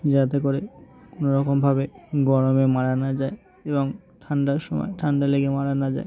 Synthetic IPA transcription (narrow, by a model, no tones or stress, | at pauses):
d͡ʑat̪̬ek̬oɾekonoɾɔkombʱabeɡɔɾomemaɾanad͡ʑae | eboŋ | ʈʰaɳɖaɾʃɔmɔ̰eʈʰaɳɖaleɡemaɾanad͡ʑa̰e